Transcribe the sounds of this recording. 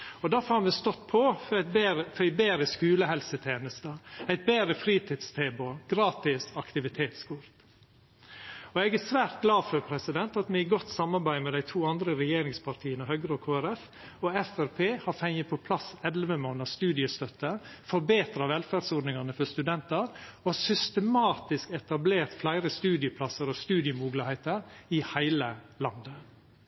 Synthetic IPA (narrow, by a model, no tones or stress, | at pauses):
ɔd̪æɾfɑɾmɛst̪ɔt̪ːpʰɔfbɾəfɾæɪbeːɾəskʉːləhɛlsət̪ʰeːnəst̪əæɪt̪̚beːɾəfɾiːt̪ʰɪd̪st̪ʰeːboɡɾɑːt̪ɪsɑkt̪ɪʋɪt̪ʰeːt̪skuɾt̪ | ɔɛɡæsʋæːɾt̪̚ɡlɑːfœpʰɾɛsɪd̪ɛnt̪ɑt̪mɛɪɡɔt̪sɑmːɑɾbæɪmɛd̪æɪt̪ʰuːɑnd̪ɾəɾɛjeːɾɪŋspʰɑɾʈ̪ʰiːənəhœɡɾokʰoːæɾɛf | ɔɛfæɾpʰeːhɑɾfɛŋəpʰɔpʰlɑsɛlʋəmoːnəst̪ʉːd̪ɪəst̪œt̪ːəfɔɾbeːt̪ɾɑʋɛlfæːɖsɔɖnɪŋɑnəfɔst̪ʉd̪ɛnt̪əɾɔsʏst̪əmɑːt̪ɪskɛt̪ɑbleːɾt̪flæɪɾəst̪ʉːd̪ɪəpʰlɑsəɾɔst̪ʉːd̪ɪəmuːɡlɪheːt̪əɾɪhæɪləlɑnd̪ə